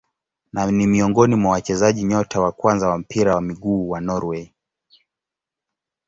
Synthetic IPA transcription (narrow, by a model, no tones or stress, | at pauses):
nanimiɔŋɡɔnimwawat͡ʃɛzaʄiɲɔtʰawakwanzawam̩pʰiɾawamiɠuːwanɔɾwɛ